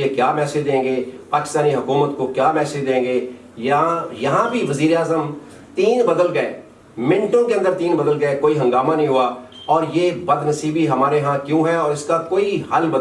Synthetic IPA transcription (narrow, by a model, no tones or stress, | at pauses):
ekjaːmɛːsɪd͡ʒd̪ẽːŋɡeːpaːkɪ̥st̪aːniɦɐkuːmət̪kokjaːmɛːsɪd̪ẽːɡeː | jɐãjɐɦãbʱiʋɐziːɾeaːzəm | t̪iːnbəd̪əlɡɐeː | mɪ̃ɳʈõkeə̃nd̪əɾt̪iːnbəd̪əlɡɐekoːiɦɐ̃ŋɡaːmanɐɦĩɦuːaː | ɔːɾjeːbɐd̪nəsiːbiɦɐmaːɾeɦãkjũːɦɛɔːɾɪskakoːiɦɐlbə